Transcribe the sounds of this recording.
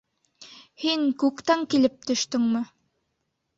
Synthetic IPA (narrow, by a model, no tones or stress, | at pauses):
hiŋkʉkt̪æŋkilɘp̚t̪ɵ̆ʃt̪ɵŋmɘ